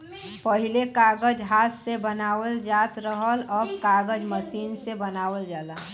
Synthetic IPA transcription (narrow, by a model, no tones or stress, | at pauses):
pəɦilekaɡəd͡ʒɦaːt̪sebənaːwəld͡ʒat̪ɾəɦəlɔːbkaːɡəd͡ʒməsiːnsebənaːwəld͡ʒaːla